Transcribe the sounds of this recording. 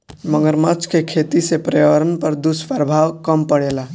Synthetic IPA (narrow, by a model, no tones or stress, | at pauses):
məŋɡəɾmat͡ʃkekʰet̪isepɾjəəɾənpəɾd̪uspaɾbʱawkəmpəɽela